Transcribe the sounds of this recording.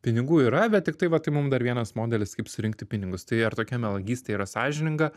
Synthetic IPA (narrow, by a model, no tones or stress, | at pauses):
pʲɪnʲɪɡuːiːɾɐbʲɛt̪̚tʲɪk̚t̪ɐɪʋɐt̪ɐɪmʊmd̪ɐɾʋʲiɛnɐsmoːd̪ʲɛlʲɪskɐɪpsʊɾʲɪŋk̚t̪ʲɪpʲɪnʲɪŋɡʊst̪ɐɪɐɾt̪oːkʲɛmʲɛlˠɐɡʲiːst̪ʲeiːɾɐsɑːʒʲɪnʲɪŋɡɐ